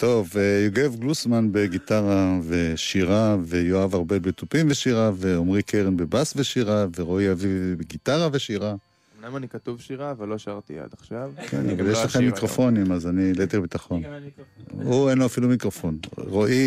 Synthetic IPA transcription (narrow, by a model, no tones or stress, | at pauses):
t̪o̞vejoɡevɡlusmanbe̞ɡit̪aʁave̞ʃiʁave̞joavaʁbe̞bet̪upimveʃiʁave̞omʁikʰeʁinbe̞basveʃiʁaveʁo̞iavivbeɡit̪aʁave̞ʃiʁa | mnamanikat̪uvʃiʁaːvalːoʃaʁt̪ia̰d̪aχʃavkʰḛnvajeʃlaχemːikʁo̞fo̞nimazanilet̪iʁbitaχo̞n | uenloafilumikʁo̞fo̞nʁoʔi